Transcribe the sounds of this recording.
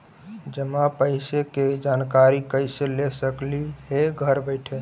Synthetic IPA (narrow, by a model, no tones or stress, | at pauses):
d͡ʒəmapəɪseked͡ʒankaɾikəɪselesəkliɦeɡʱəɾbəɪʈʰe